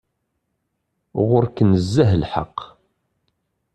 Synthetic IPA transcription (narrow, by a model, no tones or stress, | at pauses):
ʁʊɾkənəzːæɦlħɑ̰qː